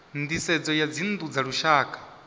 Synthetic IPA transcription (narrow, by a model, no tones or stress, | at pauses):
nd̪isɛd͡zɔjad͡zind̪ud͡zaɺuʃaːkʰʼḁ